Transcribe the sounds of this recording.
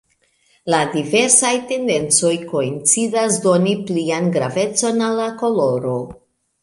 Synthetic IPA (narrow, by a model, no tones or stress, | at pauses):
ladive̞ɾsajte̞nde̞nt͡so̞jko̞int͡sidasdo̞niplianɡɾave̞t͡so̞nalːako̞lo̞ɾo̞